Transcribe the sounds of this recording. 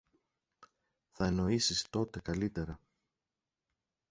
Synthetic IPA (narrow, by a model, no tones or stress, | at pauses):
θɐeno̞isist̪o̞t̪e̞kɐlit̪e̞ɾɐ